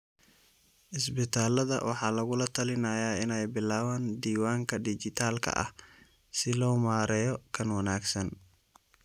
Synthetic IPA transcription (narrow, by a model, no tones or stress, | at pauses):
ʔɪsbɪt̪ʰaːlɐðɐ̰wʔɑħɑːlɐɣʊlɐt̪ʰɐlɪnɐjaːɪnɛjbɪlaːβaːnd̪iːwaːŋkʰɐɖit͡ʃɪt̪ʰaːlkʰɐ̰ʔɐ̰h | sɪlɔːmaːɾɛːjɔkʰɐnwɐnaːɡsɐn